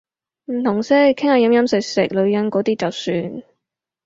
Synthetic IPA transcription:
m̩˨˩nʊ˨˩ŋsɛ˥kʰɪ˥ŋhaː˨˧jɐ˧˥mjɐ˥msɪ˨˩k̚sɪ˨˩k̚lɵ˨˧ɥjɐ˨˧˥nkɔː˨˥t̪iː˥t͡sɐ˨wsyː˧n

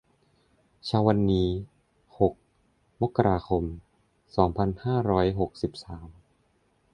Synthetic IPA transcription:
t͡ɕʰaː˧wa˧nːiː˦˥ | ho˨˩k̚ | mo˦˥kːa˧ɾaː˧kʰo˧m | sɔː˩˦ŋpʰa˧nhaː˥˩ɾɔː˦˥jɦo˨˩k̚si˨˩p̚saː˩˦m

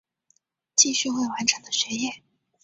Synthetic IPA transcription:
t͡ɕi˥˧ɕy˥˧xwe˥˩ɪwa˧˥nʈ͡ʂʰɤ˧˥ŋd̪ə˧ɕɥɛ˧˥jɛ˥˩n

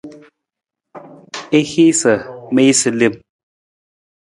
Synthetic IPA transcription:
e˦hi˦sə˨me˦i˦sɨ˨li˦˨m

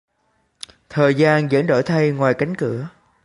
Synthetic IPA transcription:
t̪ʰəː˨˩jzaː˧nzə̰˧˥nɗo̰˧˩jt̪ʰa˧jŋwaː˨˩jka˨˦jŋ̟kɨ˧˩ə

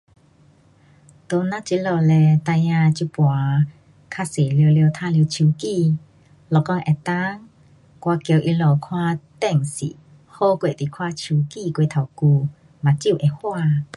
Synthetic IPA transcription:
t̪o˧˦nã˧˥t͡ɕi˧˦lɔ˧˨lɛ˧t̪a˧jã˧t͡ɕu˧˦pwa˨ | kʰa˧se˨ljo˧ljə˧wt̪ʰã˧lə˧t͡ɕʰu˧˦ki˧˨ | lɔ˨kɔ˧˦ŋʔɛ˨˩t̪a˦ŋ | kwa˧kjo˧wʔi˧lɔ˧˨kʰwa˧t̪ɛ˥˧˨ŋsḭ˨˦ | ho˥˧kwe˧˨t̪i˨kʰwa˧t͡ɕʰu˧˦ki˧˨kwe˧˨t̪ʰa˨˩wku˧ | mã˨t͡ɕi˧˥˨ʔe˨hwa˧˨

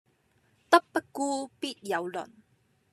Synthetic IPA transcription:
t̪ɔ˦pːəku˦pi˦t̪̚ja˨˦wlɔ̰˨n

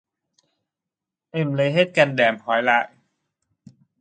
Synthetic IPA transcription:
ʔe˧˩mle˧˦jɦe˧˥˩t̪̚ka˧ndɛː˨˩mkʰɔː˨˩˦jlaː˧˦j

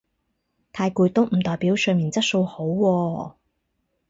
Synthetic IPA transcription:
t̪ʰaː˧jkuː˧jt̪o˥wm̩˨˩t̪ɔː˨jpiː˨˥wsœ˧miː˨˩nt͡sɐ˥t̚so˧who˨˥wwɔː˧

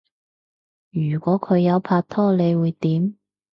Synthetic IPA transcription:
jyː˨˩kʷɔː˨˥kʰɵ˨˧ɥjɐ˨˧wpʰaː˧k̚t̪ʰɔː˥˩le˨˧jwuː˨˧jt̪iː˨˥m

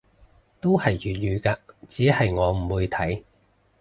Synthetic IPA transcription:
t̪o˥whɐ˨jjyː˨t̚jyː˨˧kaː˧t͡siː˨˥hɐ˨jŋɔː˨˧m̩˨˩wuː˨˧jt̪ʰɐ˨˥j

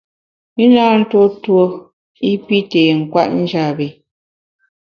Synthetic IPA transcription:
mi˦naː˦n̩˦to˦two˦ | i˦pi˦teː˨ŋ̩˨kwa̰˦ʔn̩˦d͡ʒa˦˨be˨

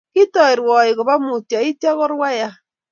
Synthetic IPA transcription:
ki˦tɔ˨e˨ɾwɔ˨i˨ɣo˨βa˦mu˨tja˨i˦tja˦ɣo˦ɾwa˦ja˦

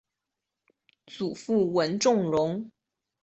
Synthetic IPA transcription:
t͡su˨˩fu˥˩wə˧˥nʈ͡ʂʊ˥˩ŋɻʊ˧˥ŋ

